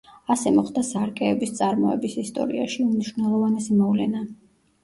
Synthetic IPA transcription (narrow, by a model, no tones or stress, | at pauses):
asɛmɔχd̪asaɾkʼɛːbist̪sʼaɾmɔɛ̰bisist̪ʼɔ̰ɾḭaʃiumniʃvnɛlˠɔvanɛsimɔvlɛ̰na